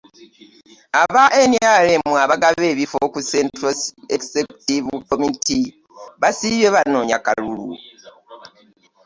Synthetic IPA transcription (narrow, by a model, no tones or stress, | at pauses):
aβaʔenjalemuaβaɡaβe̞ːβifokusentɾoekseku̥tivukomiti | βasiβeβanoːɲaka̰lulṵ